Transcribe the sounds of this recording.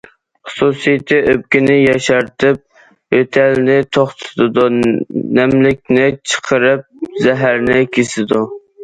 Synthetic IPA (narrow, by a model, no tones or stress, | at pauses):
χsusijt̪ʰːɪʔøp̚kʲinɪjɛʃɛɾt̪ʰɪp̚ | øt̪ʰɛlnɪt̪ʰoχt̪ʰɨ̥t̪ɨd̪unɛmlɪkʲnɪt͡ʃʰə̥qʰəɾɨp̚zɛɦæɾnɪkʲʰesɪd̪u